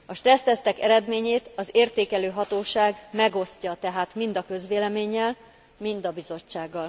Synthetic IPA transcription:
ɒʃt̪rɛst̪ɛst̪ɛkɛɾɛd̪meːɲeːt̪ɒzeːrt̪eːkɛløːɦɒt̪oːʃaːɡmɛɡo̞scɒt̪ɛɦaːt̪mind̪ɒkø̞zʋeːlɛmeːɲːɛl | mind̪ɒbizo̞t͡ʃːaːɡːɒl

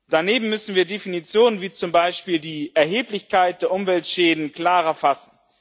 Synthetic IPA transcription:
d̥aneːbm̩mʏsn̩viːɐdefinit͡sjoːnənviːt͡sʊmbaɪʃpiːldiːʔɛɐɦeːplɪçkaɪt̚d̥eːɐʔʊmvɛltʃɛːdn̩kl̥aːʁɐfasn̩

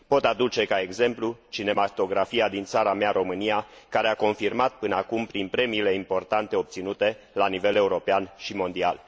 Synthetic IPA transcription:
po̞t̪ad̪ut͡ʃe̞kae̞ɡze̞mplut͡ʃine̞mat̪o̞ɡɾafiad̪int̪saɾameaɾo̞mɨnijakaɾeako̞nfirmat̪̚pɨnəakumpɾinpɾe̞miːle̞impo̞rt̪ant̪e̞o̞p̚t̪sinut̪e̞ | lanivele̞uɾo̞peanʃimo̞nd̪ia̰l

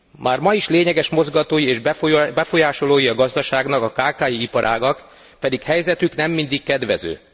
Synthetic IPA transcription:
mʔaːrmɒjiʃleːɲɛɡɛʃmo̞zɡɒt̪oːjieːʒbɛfo̞jaːʃo̞loːjiɒɡɒzd̪ɒʃaːɡnɒkɒkaːkaːjiipɒɾʔa̰ːɡɒk | pɛd̪ikhɛjzɛt̪yknɛmːind̪ikːɛd̪ʋɛ̰zø̰ː

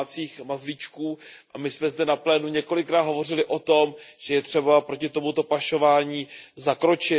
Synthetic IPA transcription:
t͡siːxmazvɪt͡ʃkuːʔamɪsmɛzdɛnaplɛːnuɲɛko̞lɪkɾaːt̪ɦo̞vo̞r̝ɪlɪʔo̞t̪o̞mʒ̥ɛjɛt̪r̝̥ɛbapɾocɪt̪o̞mut̪o̞paʃo̞vaːɲiːzakɾo̞t͡ʃɪ

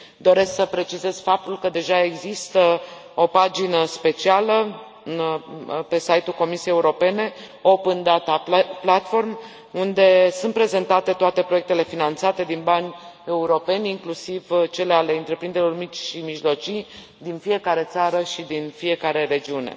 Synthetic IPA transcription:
d̪o̞ɾe̞sksəpɾe̞t͡ʃize̞z̥fap̚t̪ulkəd̪e̞ʒae̞ɡzist̪ə | o̞pad͡ʒinəspe̞t͡ʃialə | ɨnpe̞sajt̪ulko̞misiejːeuɾo̞pe̞ne̞ | o̞pɨnd̪at̪aplat̪fo̞rm | und̪e̞sunt̪̚pɾe̞ze̞nt̪at̪e̞t̪oat̪e̞pɾojek̚t̪e̞le̞finant̪sat̪e̞d̪inbanʲe̞uɾo̞pe̞nʲiŋklusivt͡ʃe̞le̞ale̞ɨnt̪ɾe̞pɾind̪elo̞rmit͡ʃʲʃimiʒlo̞t͡ʃij | d̪infije̞kaɾe̞t̪saɾəʃid̪infije̞kaɾe̞ɾe̞d͡ʒiune̞̰

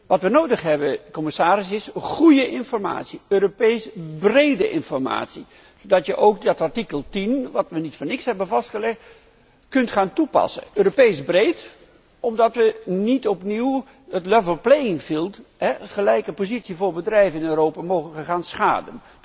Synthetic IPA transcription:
ʋɑtʋənowdəχɦɛbəkɔməsaːɾɪsɪsχujəʔɪnfɔrma̰ːtsiøːropejsbrejdəʔɪ̰nfɔrma̰ːtsi | z̥odɑtjəʔowkdɑtaɹtikəlˠtinʋɑtʋənitfɔnɪksɦɛbənvɑstχəlɛχt | kɵntχaːntupɑ̰sə̰ʔøːropejsbrejt | ɔmdɑtʋənitɔpniw | ətlɛvəlˠplejɪŋfilˠtɦɛχəlɛjkəpozitsivʊːɹbədrɛjvəɪnøːɾowpaːmowχəəχaːnsχa̰ːdə̰n

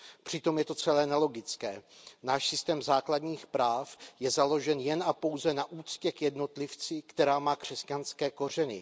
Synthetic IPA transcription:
pr̝̥ɪt̪o̞mjɛt̪o̞t͡sɛlɛːnɛlo̞ɡɪt͡skɛːnaːʃsɪst̪ɛːmzaːkladɲiːxpɾaːfjɛzalo̞ʒɛnjɛnʔapo̞wzɛnaʔuːt͡scɛkjɛdno̞t̪lɪft͡sɪkt̪ɛɾaːmaːkr̝̥ɛscanskɛːko̞r̝ɛnɪ̰

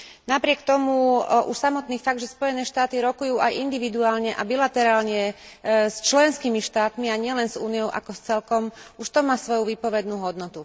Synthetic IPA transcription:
napɾɪɛkt̪ɔmuʔuʃsamɔt̪niːfaɡ̚d̪ʒɛspɔjɛnɛːʃt̪aːt̪iɾɔkujuːʔajʔind̪iʋid̪uaːlɲɛʔabilat̪ɛɾaːlɲɛst͡ʃlɛnskiːmiʃt̪aːt̪miaɲɪɛlɛnzuːnijɔʊʔa̰kɔst͡sɛlkɔmuʃt̪ɔmaːsʋɔjuʋiːpɔʋɛd̪nuːɦɔd̪nɔt̪u

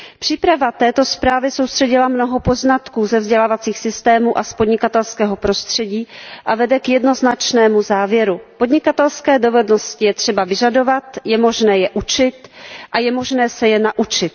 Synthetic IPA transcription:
pr̝̥iːpɾavat̪ɛːt̪o̞spɾaːvɪsowst̪r̝̥ɛɟɪlamno̞ɦo̞po̞znat̪kuːzɛvzɟɛlaːvat͡siːxsɪst̪ɛːmuʔaspo̞dɲɪkat̪ɛlskɛːɦo̞pɾo̞st̪r̝̥ɛɟiːʔavɛdɛkjɛdno̞znat͡ʃnɛːmuzaːvjɛɾupo̞dɲɪkat̪ɛlskɛːdo̞vɛdno̞scɪjɛt̪r̝̥ɛbavɪʒado̞vat̪jɛmo̞ʒnɛːjɛʔut͡ʃɪt̪ʔajɛmo̞ʒnɛːsɛjɛnaʔut͡ʃɪt̪̚

